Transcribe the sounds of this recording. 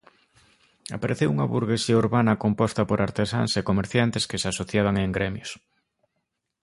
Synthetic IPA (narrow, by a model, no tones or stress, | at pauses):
a̰paɾeθewuŋɐβuɾɣesiɐuɾβanɐkompɔst̪ɐpoɾʔaɾt̪esa̰ŋsekomeɾθjant̪eskesasoθjaβ̞aŋeŋɡɾemjos